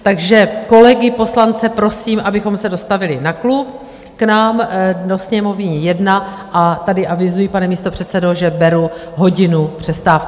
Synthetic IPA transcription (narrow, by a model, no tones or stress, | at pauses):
t̪aɡʒɛko̞lɛɡɪpo̞slant͡sɛpɾo̞siːmʔabɪxo̞msɛdo̞st̪avɪlɪnaklup | knaːmdo̞sɲɛmo̞vɲijɛdna | ʔat̪adɪʔavɪzujipanɛmiːst̪opr̝̥ɛt̪sɛdoʒɛbɛɾuɦo̞ɟɪnupr̝̥ɛst̪aːfk